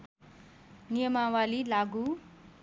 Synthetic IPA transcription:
nijʌmawalilaɡu

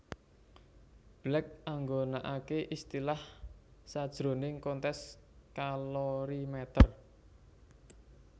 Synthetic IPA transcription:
b̥lɛk̚ʔaŋɡonaʔakeʔist̪ilahsad̥ʒ̥ɾo̤nɪŋkɔnt̪ɛs | kalɔɾimɛt̪ər

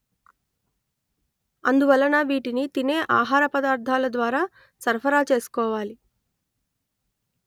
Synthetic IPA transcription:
ɐnd̪uʋɐlːɐnaːʋiːʈinit̪ine̞ːʔaːɦaːɾɐpɐd̪aːɾd̪ʱaːlɐd̪ʋaːɾaː | sɐɾpʰɐɾaːt͡ʃe̞ːsu̥kɔːʋaːli

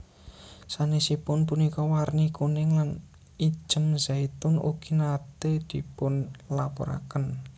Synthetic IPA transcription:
sanesipʊnpunikɔwarnikunɪŋlan | i̥ʒ̥əmzait̪ʊnṵɡ̥i̤nad̪̥ed̪̥i̤pʊnlapɔ̰ɾa̰kən

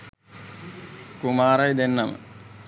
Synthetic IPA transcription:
kumaːɾajd̪enːɐmə̰

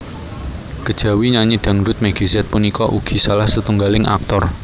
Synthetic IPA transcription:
ɡ̥əd̥ʒ̥a̤wiɲaɲiɖ̥a̤ŋdʊt̪̚maɡ̥isiɛt̪̚punikɔʔuɡ̥i̤salahsət̪uŋɡalɪŋa̰k̚t̪ɔr

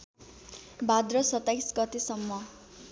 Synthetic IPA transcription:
bad̪rʌsʌt̪ːajsɡʌt̪esʌmːʌ

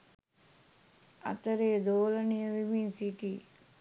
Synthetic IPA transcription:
ɐ̰t̪əɾejd̪oːlənijəʋiminsiki

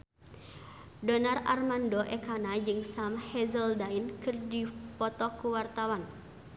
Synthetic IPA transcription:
dɔnara̰rmandoʔɛkanad͡ʒɨŋsamhɛzəldainkɨrdipɔt̪ɔkuwart̪awan

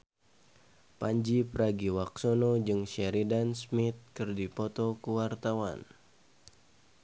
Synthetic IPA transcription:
paɲd͡ʒipəɾaɡiwak̚sonod͡ʒɨŋʃɛɾidansmit̪̚kɨrdipɔt̪ɔkuwart̪awa̰n

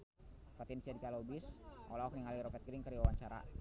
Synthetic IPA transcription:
pat̪ɛnsiadikalobisʔo̰laɔkniŋaliɾɔfɛt̪̚kiɾiŋkəɾiwawaɲt͡ʃaɾa̰

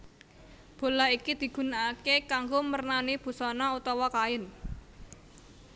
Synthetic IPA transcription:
b̥o̤laɦikid̪̥i̤ɡ̥ṳnaakekaŋɡomərnanib̥ṳsɔnɔut̪ɔwɔkaɪn

